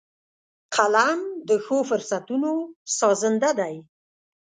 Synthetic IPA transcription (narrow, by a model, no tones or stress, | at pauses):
qʰalamd̪əxofʊɾsat̪unosɑzənd̪ad̪aj